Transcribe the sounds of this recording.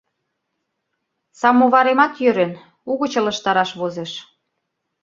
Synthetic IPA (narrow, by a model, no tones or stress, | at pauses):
sɑmoβɑɾemɑt̪jøɾen | uɣə̆t͡ɕə̆ləʃt̪ɑɾɑʃβozeʃ